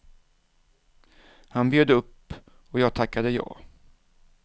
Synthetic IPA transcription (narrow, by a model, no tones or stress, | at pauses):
hanbjøːd̪əɵpː | ɔjɑːɡ̚t̪ʰakːad̪əjɑ̰ː